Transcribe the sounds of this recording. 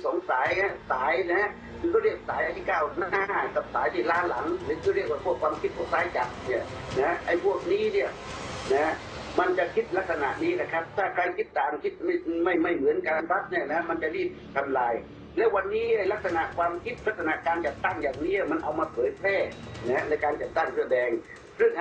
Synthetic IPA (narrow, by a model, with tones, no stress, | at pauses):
sɔː˨˩˦ŋsaː˩˦ja˦˥˩saː˩˦jna˧˥˧ | k̪ʰɔː˧˥˩ɾi˥˩ək̚saː˨˦jʔa˧˩t̪ʰiː˥˩kaː˧˩wnaː˧˥˩ka˨˧˩p̚saː˩˦jt̪ʰiː˧˩laː˥˩nla˩˦ŋɾɯː˨˦kʰɔː˥˩ɾi˥˩əkwaː˧˩pu˥˩əkʰwaː˧mkʰi˦˥t̪̚pʰu˥˩k̚saː˨˦jt͡ɕa˨˩t̚ni˧˩ɐ | na˧˥ʔa˧˥˩jpʰu˥˩ək̚niː˦˥ni˧˩ɐ | na˦˥ | ma˧nt͡ɕa˨kʰi˦˥t̪̚la˦˥k̚sa˧na̰˨ʔniː˦˥la˧˩kʰa˦˥˩p̚t̪ʰaː˥˩kʰɾa˧jkʰi˦˥t̪ːaː˨˩ŋkʰi˦˥t̪̚ma˥˩jma˥˩jma˥˩jmɯ˩˦ənka˧nɾa˦˥t̪̚ni˧˩ɐna˧˦˥ma˧nt͡ɕa˨ɾiː˥˩p̚t̪ʰa˧mlaː˧j | lɛː˦˥wa˧nːiː˦˥ʔa˧˩jla˦˥k̚sa˧na˨˩ʔkʰwaː˧mkʰi˦˥t̪̚la˦˥k̚sa˧na˨ʔkaː˧nt͡ɕa˨˩t̪ːa˥˩ŋjaː˨˩ŋniː˦˥ni˧˩ma˧nʔa˧wmaː˧pʰɤː˨˦jpʰlɛː˥˩na˧hnɤ˧˩jkaː˧nt͡ɕa˨˩t̪ːa˥˩ŋpʰɯ˧˩əbɛː˧ŋ | sɯ˥˩ŋʔ